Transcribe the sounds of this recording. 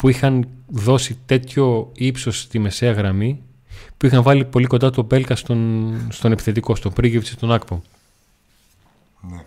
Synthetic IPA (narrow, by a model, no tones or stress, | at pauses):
puixɐnðo̞sit̪e̞t̪ço̞ipso̞st̪ime̞se̞ɐɣɾɐmi | puixɐɱvɐlipo̞likod̪ɐt̪o̞be̞lkɐst̪onst̪o̞nepi̥θe̞t̪iko̞st̪opɾiɣiptsist̪o̞nɐkpo